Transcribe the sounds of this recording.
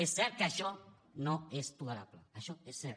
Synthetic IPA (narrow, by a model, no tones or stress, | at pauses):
esːɛɾ̚keaʃɔ | noespuɣeɾaplə̰aʃɔesːɛɾ